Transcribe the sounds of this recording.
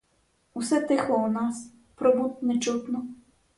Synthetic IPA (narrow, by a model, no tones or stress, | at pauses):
usɛt̪ɪxlˠɔunɑs | pɾɔbut̪̚ʲnɛt͡ʃut̪nɔ